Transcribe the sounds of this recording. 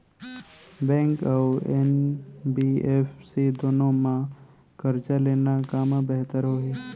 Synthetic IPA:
bɛ̃ːŋkaʊenbiːeːfsed̪oːnõmã | kəɾt͡ʃaleːnakaːmabɛɦt̪əɾɦoːɦe

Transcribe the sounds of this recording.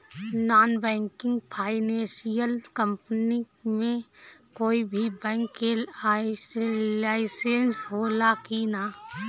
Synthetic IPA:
naːnbɛ̃ːŋkɪ̃ŋɡpʰaːɪnẽːsijəlkə̃mpni | mẽkoːibʱibɛ̃ːŋkːea | laːɪseːnsɦoːlakinaː

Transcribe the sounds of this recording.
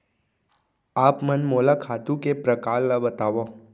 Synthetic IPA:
aːpmənmoːlakʰaːt̪ũkepɾəkaːlːabət̪aːʋo

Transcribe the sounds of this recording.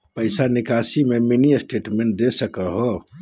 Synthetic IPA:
pəɪsanikasimeminiəsʈeʈmẽɳʈ̚d̪esəkəɦɔ

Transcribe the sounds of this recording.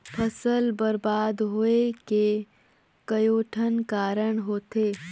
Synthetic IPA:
pʰəsəlbɐɾbaːd̪ɦoeke | kɐjoːʈʰənkaːɾəɳ̃ɦoːt̪eː

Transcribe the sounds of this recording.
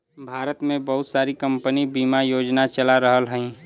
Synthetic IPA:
bʱaːɾət̪mẽbəɦʊt̪saːɾikə̃mpənibiːmajoːd͡ʒnat͡ʃəlaɾəɦəlɦə̃ĩ

